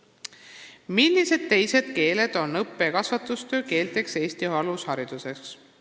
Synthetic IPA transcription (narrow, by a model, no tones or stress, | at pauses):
milːise̞d̪̥̚t̪e̞jse̞d̪̥̚ke̞ːle̞d̪̥o̞nːɤpːe̞kɑsvɑt̪ust̪ø̞ːke̞ːlt̪e̞kse̞ːst̪iɑlushɑɾid̪̥use̞ks